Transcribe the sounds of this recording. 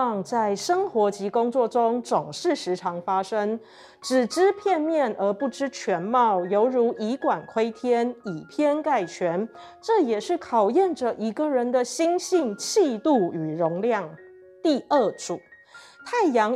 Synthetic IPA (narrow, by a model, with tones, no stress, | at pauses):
ɑ˥˧ŋt͡sa˥˩ɪʂɤ˥ŋxwɔ˧˥t͡ɕi˧˥kʊ˥ŋt͡swɔ˥˩ʈ͡ʂʊ˥ŋt͡sʊ˨˩ŋʂɻ̩˥˩ʂɻ̩˧˥ʈ͡ʂʰɑ˧˥ŋfa˥ʂɤ˥ŋ | ʈ͡ʂɻ̩˨˩ʈ͡ʂɻ̩˥pʰjɛ˥˧nmjɛ˥˩nʔə˞˧˥pu˥˩ʈ͡ʂɻ̩˥t͡ɕʰɥɛ˧˥nmɑ˥˩ʊjo˧˥ʊɻu˧˥ʔi˧˥kwa˨˩nkʰwe˥ɪt̪ʰjɛ˥ni˨˩pʰjɛ˥nka˥˩ɪt͡ɕʰɥɛ˧˥n | ʈ͡ʂɤ˥˩jɛ˨˩ʂɻ̩˥˩kʰɑ˨˩ʊjɛ˥˩nʈ͡ʂə˩ʔi˧˥ɡə˨ɻə˧˥nd̪ə˨ɕi˥ŋɕi˥˧ŋt͡ɕʰi˥˧t̪u˥˩y˨˩ɻʊ˧˥ŋljɑ˥˩ŋ | t̪i˥˧ʔə˥˩ʈ͡ʂu˨˩˦ | t̪ʰa˥˩ɪjɑ˧˥ŋ